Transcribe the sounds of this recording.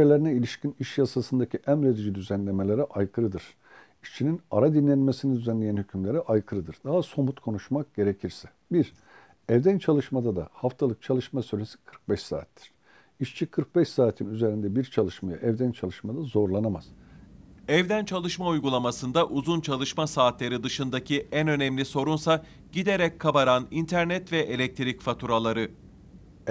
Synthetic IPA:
elʲeɾinɛilʲiʃciniʃjasasɯnd̪acʰiʔæmɾed̪id͡ʒid̪yzænlʲe̞melʲe̞ɾɛʔajkʰɯɾɯd̪ɯɾ̥ | iʃt͡ʃʰininaɾad̪inlːʲenmesinid̪yzænlʲejænhycʰymlʲe̞ɾɛʔajkʰɯɾɯd̪ɯɾd̪aɦaso̞mut̪kʰo̞nuʃmak̚ɟ̥e̞ɾecʰiɾsɛ̥ | biɾ | ɛvd̪ænt͡ʃʰalˠɯʃmad̪ad̪ahaft̪ʰalˠɯk̚t͡ʃʰalˠɯʃmasyɾʲesi̥kʰɯ̥ɾk̚bɛʃsa̰ːt̪ʰːi̥ɾ̥ | iʃt͡ʃʰikʰɯɾk̚bɛʃsaːt̪ʰinyze̞ɾind̪ɛbiɾt͡ʃʰalˠɯʃmajaʔɛvd̪ænt͡ʃʰalˠɯʃmad̪azo̞ɾlˠanamaz̥ | ɛvd̪ænt͡ʃʰalˠɯʃmaujɡulˠamasɯnd̪aʔuzunt͡ʃʰalˠɯʃmasaːt̪lʲeɾid̪ɯʃɯnd̪acʰiʔænø̞nɛmlʲiso̞ɾunsa | ɟid̪e̞ɾɛc̚kʰːabaɾanint̪ʰæɾnɛt̪vɛʔelʲɛc̚t̪ʰiɾicfat̪ʰuɾalˠaɾɯ

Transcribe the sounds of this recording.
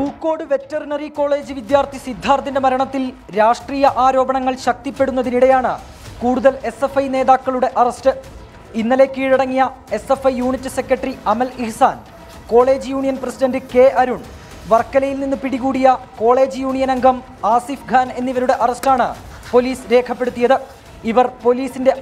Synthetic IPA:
kuːkːo̞ːɽɨʋe̞tːɐrinɐriko̞ːɭe̞ːd͡ʑɨʋid̪jaːrt̪ʰisid̪ʱːaːrt̪inde̞mɐɾɐɳɐt̪ːil | ɾaːʂʈriːjɐʔaːɾo̞ːbɐɳɐŋːɐɭɕɐk̚t̪ipːe̞ɽunːɐðiniɽe̞jaːɳɨ | kuːɽuðɐle̞se̞fɐjne̞ːðaːkːɐɭuɽe̞ʔɐrɐstɨ | inːɐle̞ːkːiːɻiɽɐŋːijɐe̞se̞fɐjːuːɳitːɨse̞kːɾɐʈːɐriɐmɐlihsaːn | ko̞ːɭe̞ːd͡ʑɨjuːɳijɐnprɐsiɖɐndɨke̞ːʔɐɾuɳ | ʋɐrkːɐlɐjilninːɨpiɽiɣuːɽijɐko̞ːɭe̞ːd͡ʑɨjuːɳijɐnɐŋɡɐm | aːsifɡʱaːne̞nːiʋɐɾuɽe̞ʔɐrɐstaːɳɨ̰ | po̞liːsɾe̞ːkʰɐpːe̞ɽut̪ːijɐðɨ | iʋɐrpo̞liːsinde̞

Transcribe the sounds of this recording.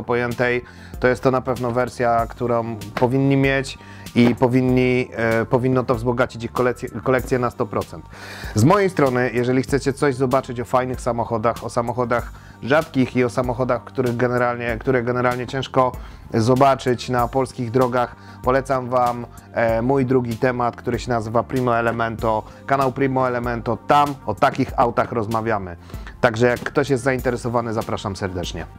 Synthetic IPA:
ɔpɔjɛnt̪ɛj | t̪ɔjɛst̪ːɔnapɛvnɔvɛɾsʲjakt̪uɾɔ̃w̃pɔvʲiɲːimʲjet͡ɕ | ipɔvʲiɲːipɔvʲinːɔt̪ɔvzbɔɡat͡ɕit͡ɕixkɔlɛɛkɔlɛk̚t̪sʲjɛnast̪ɔpɾɔt̪sɛnt̪zmɔjejst̪ɾɔnɘjɛʐɛlʲixt̪sɛt͡ɕɛt̪sɔʑzɔbat͡ʂɘt͡ɕɔfajnɘxsamɔxɔd̪axɔsamɔxɔd̪ax | ʐat̪kʲixiɔsamɔxɔd̪axkt̪uɾɘɣɡɛnɛɾalɲɛkt̪uɾɛɡɛnɛɾalɲɛt͡ɕɛ̃w̃ʂkɔzɔbat͡ʂɘt͡ɕnapɔlskʲiɣd̪ɾɔɡax | pɔlɛt̪samvamː | ujd̪ɾuɡʲit̪ɛmat̪kt̪uɾɘɕɛnazɘvapɾimɔɛlɛmɛnt̪ɔ | kanawpɾimɔɛlɛmɛnt̪ɔt̪amɔt̪akʲixawt̪axɾɔzmavʲjamɘ | t̪aɡʐɛjakːt̪ɔɕjɛst̪zaint̪ɛɾɛsɔvanɘzapɾaʂamsɛɾd̪ɛt͡ʂɲɛ̰

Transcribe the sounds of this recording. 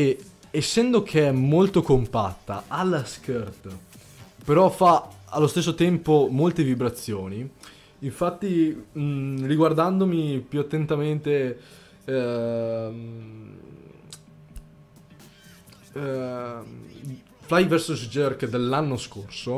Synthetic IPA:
e | esːɛnd̪ok̟ʰeɛmːolt̪okompa̰t̪ːa̰ʔalːaskert̪ | peɾɔfaalːost̪esːot̪ɛmpomolt̪evibɾat̪sːjoːniː | ɱfat̪ːi | riɡward̪and̪omipjuat̪ːent̪ament̪e | flajvɛɾsusd͡ʒørkd̪elːanːoskorso

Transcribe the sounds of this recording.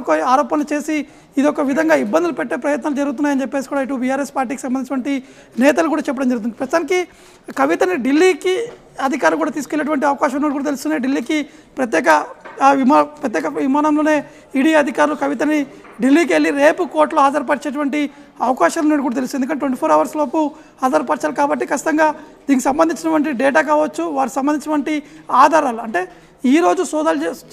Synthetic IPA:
kɐaːɾɔːpɐnlɐt͡ʃe̞ːsiː | d̪iɔkɐʋid̪ʱɐŋɡaːibːɐnd̪ulupɛʈːeːpɾɐjɐt̪naːlud͡ʒɐɾuɡut̪̬unːaːjɐnt͡ʃɛpːe̞ːsikuːɽaːiʈubijaːɾespaːɾʈ̬iːkisɐmbɐnit͡ʃɐʈʋɐɳʈi | nɛːt̪ɐlukuːɽaːt͡ʃɛpːɐɽɐmd͡ʒɐɾɣut̪und̪ipɾɐst̪t̪aːniki | kɐʋit̪ɐniɖilːiːki | ɐd̪ʱikaːɾulukuːɽaːt̪iːsu̥ke̞lːeʈuʋɐɳʈ̬iɐʋɐkaːʃɐmneːʈikuːɽɐt̪elust̪uːnːeːɖilːiːki | pɾɐt̪̬jɛːkɐʋimːpɾɐt̪̬jɛːkɐʋimaːnɐmlo̞ːne̞ː | iːɽiːɐd̪ʱikaːɾulukɐʋit̪ɐni | ɖilːiːk̬ielːiɾeːpukoːɾʈloːɦaːd͡ʒɐɾpɐɾt͡ʃeːʈuʋɐɳʈi | ɐʋɐkaːʃaːluneʈkuːɽat̪elust̪ːend̪ukɐnːʈːeʈʋeɳʈ̬ipʰoːɾɐʋɐɾsloːpu | haːd͡ʒɐɾpɐɾt͡ʃaːlukaːbɐʈːikɐt͡ʃʰːi̥t̪ɐŋɡaːd̪iːnkisɐmbɐnd̪iɲt͡ʃinɐʈʋɐɳʈ̬iɖɛːʈ̬aːk̬aːʋɐt͡ʃːuʋaːɾiksɐmbɐnd̪iɲt͡ʃɐʈʋɐɳʈiaːd̪ʱaːɾaːluɐɳʈe̞ː | iːɾo̞ːd͡ʒusɔːd̪aːle

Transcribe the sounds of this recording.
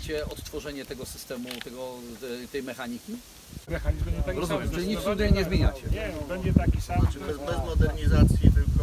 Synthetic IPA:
t͡ɕɛɔt̪ːfɔʐɛɲɛt̪ɛɡɔsɘ̥st̪ɛmut̪ɛɡɔt̪ɛjmɛxaɲikʲi | mɛxaɲizmt̪aɾɔzumjɛmt͡ʃɨlʲiɲit̪t̪ud̪ajɲɛzmʲjeɲat͡ɕɛɛbɛɲd͡ʑɛt̪akʲisabɛzbɛzmɔd̪ɛɾɲizat̪sʲjibɘlkɔ

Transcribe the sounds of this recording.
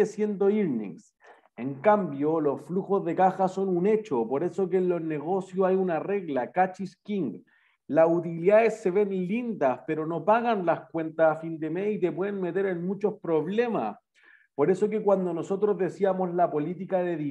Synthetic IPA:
esje̞nd̪o̞iɾnḭŋs | e̞ŋkambjolo̞sfluxozðe̞kaxaso̞nune̞t͡ʃopo̞ɾe̞so̞k̬enlo̞zne̞ɣo̞sjosajunare̞ɣlakat͡ʃiskiŋɡ | lasut̪iliðaesːe̞βe̞nlind̪aspeɾo̞no̞paɣanlaskwe̞nt̪aːfind̪e̞meit̪e̞pwe̞ðenme̞t̪e̞ɾenmut͡ʃo̞spɾo̞βle̞ma̰s | po̞ɾe̞so̞k̬e̞kwand̪o̞no̞so̞t̪ɾozðe̞siamo̞zlapo̞lit̪ikaðeði

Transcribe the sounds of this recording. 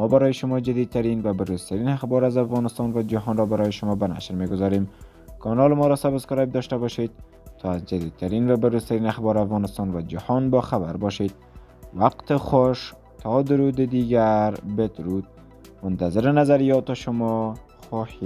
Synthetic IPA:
mɔbaɾɔjɪʃʊmɔd͡ʒad̪id̪̚t̪aɾinvabʊɾuzt̪aɾinaxbɒɾazafɣɒnɪst̪ɒnvad͡ʒaɦɔnɾɔbaɾɔjɪʃʊmɔbana̰ʃɾmeɡʊzɒɾem | kʰɒnɒlɪmɔɾɔsabɪskɔɾab̚d̪ɔʃt̪abɒʃed̪̚ | t̪ʰɒazd͡ʒad̪id̪̚t̪ʰaɾinvabɪɾuz̥t̪aɾiːnaxbɒːɾafɣɔːnɪst̪ɑnvad͡ʒahɔnbɒːxabaɾbɒʃed̪̚ | waqt̪ɪxoʃ | t̪ʰɒd̪ʊɾuːd̪ɪd̪iɡaɾbɪd̪ɾud̪̚ | mʊnt̪azɪɾɪnazaɾijɒt̪ɔʃʊmɔ | xɔhi

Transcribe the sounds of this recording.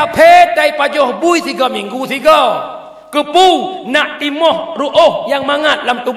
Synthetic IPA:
apʰed̪ajpad͡ʒohbujsiɡɔmiŋɡusiɡɔ | kɨpunaʔt̪imɔhɾuʔohjaŋmaŋat̪̚lamt̪u

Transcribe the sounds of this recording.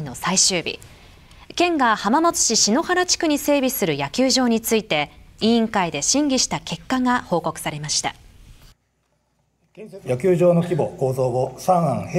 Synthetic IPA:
ino̞saiɕɨːbʲḭ | kẽ̞ŋɡahamamo̞t͡sɨ̥ɕiɕino̞haɾat͡ɕi̥kɯ̟ɲ̟ise̞ːbʲisɨɾɯ̟jakʲɨːʑo̞ːɲ̟it͡sɨit̪e̞ĩĩŋkaid̪e̞ɕĩŋɡʲiɕi̥t̪ake̞kːaŋaho̞ːko̞kɯ̟̥saɾe̞maɕi̥t̪a̰ | jak̬ʲɨːʑo̞ːno̞kʲibo̞koːzoːbosãɰãŋh

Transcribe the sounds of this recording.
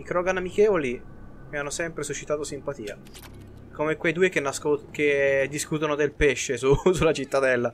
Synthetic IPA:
ikɾɔɡanamik̟ɛoli | meanːosɛmpɾesut͡ʃːit̪aːt̪osimpat̪iːa̰ | komekwejd̪uːekenːasoked̪ːiskut̪onod̪elpeʃːesusulːat͡ʃit̪ːad̪ɛlːa

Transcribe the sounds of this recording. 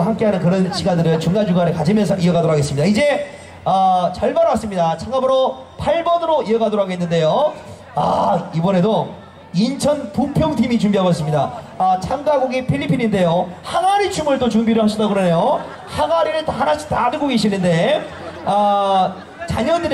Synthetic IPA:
ɦamk͈eɦanɯnkɯɾʌnɕʰiɡandɯɾɯɭt͡ɕuŋnad͡ʑuŋɡaɾɯɭkad͡ʑimjʌns̬ʰʌʔiʌɡadoɾokʰaɡesɯmɲidaid͡ʑe̞ | ʌt͡ɕʌɭbaɾwas͈ɯmɲidat͡ɕʰaŋabɯɾo | pʰaɭbʌnɯɾoiʌɡadoɾokʰaɡoenːɯnde̞jo | a̰ibʌne̞do | int͡ɕʰʌnpupʰjʌŋtʰimit͡ɕumbiɦabʌs͈ɯmɲida̰ | ʌt͡ɕʰaŋɡaɡoɡipʰiʎːipʰininde̞johaŋaɾit͡ɕʰumɯɭt͈ot͡ɕuŋbiɾɯɭhaɕ̬ʰʌdaɡɯɾʌne̞jo | haŋaɾiɾɯɭtahanaɕ͈ʰi̥tanɯɡoɡeɕʰinɯnde̞ | ʌ | t͡ɕaɲʌndɯɾ

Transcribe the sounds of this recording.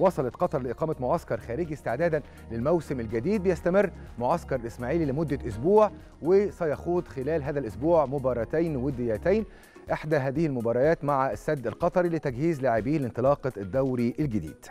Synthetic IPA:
wɑsˤɑlɑt̪qɑt̪ˤɑɾˤlɪʔeqɑːmæmʊʕɑskɑɾˤxæːɾɪɡist̪ɪʕd̪æːd̪æn | lɪlmæwsɪmɪlɡæd̪iːd̪̚bɪjæst̪æmɪrːmʊʕɑskɑɾˤlʔɪsmæːʕiːlilɪmʊd̪ːæʔʊsbuːʕ | wɪsæjɑxuːd̪xɪlæːlɦæːðælʔʊsbuːʕmʊbɑːɾˤɑt̪æjnwed̪ːɪjːæt̪æjn | ʔeħd̪æɦæːðɪhilmʊbɑːɾˤɑjæːt̪maʕasːæd̪ːɪlqɑt̪ˤɑɾilɪt̪æɡhiːzlaːʕɪbiːhlɪnt̪ˤɨlɑːqɑd̪ːæwɾiʔælɡɪd̪ḭːd̪̥

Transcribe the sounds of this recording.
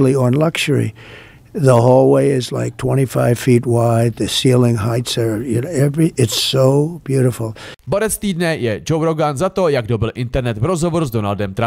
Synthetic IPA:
liə̃nlʌkʃə˞ḭ | ðəɦolˠweɪɪzla̰ɪk̚tʰw̥ɛ̃ɾ̃ifaɪv̥fit̚waɪd̪̚ðɨsilˠɪ̃ŋɦaɪtsə˞jɨnɛvɹiʔɪtsoʊb̥jʉɾəfl̩ˠboɾɛst̪iːdnɛjɛd͡ʒowɾoɡanzat̪o̞jaɡdobɪlʔɪnt̪ɛɾnɛt̪vɾo̞zɦo̞voɾzdo̞naldɛmt̪ɾa

